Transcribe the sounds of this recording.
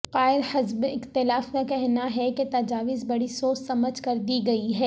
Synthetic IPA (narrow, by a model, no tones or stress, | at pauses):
qaːɪɾhɪzbɪqt̪ɪlaːfmẽkɛɦnaɦɛket̪ɐd͡ʒaːʋɪzbɐɽisoːssɐməd͡ʒʱkɐɾd̪iɡɐiɦɛː